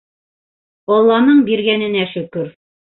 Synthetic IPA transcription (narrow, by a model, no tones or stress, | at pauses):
ɒlˠːɑnɤɴbiɾɡænɘ̆næʃɵ̆kɵɾ